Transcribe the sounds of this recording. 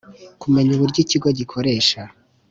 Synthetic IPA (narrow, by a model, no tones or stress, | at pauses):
kume̞ɲuβuɾɟiciɡo̞ɟikʰo̞ɾe̞ːʃa